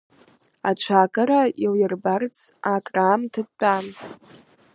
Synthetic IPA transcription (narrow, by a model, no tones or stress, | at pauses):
at͡ʃʷʰakʼaɾailjɪrbart͡sʰakʼraːmtʰɨd̚t͡pʷʼam